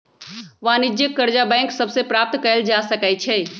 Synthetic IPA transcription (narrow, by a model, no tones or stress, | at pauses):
ʋãːnɪd͡ʒjəkːəɾd͡ʒabɛ̃ːŋksəbsepɾaːp̚t̪kəɾəld͡ʒaːsəkɛt͡ʃʰɛ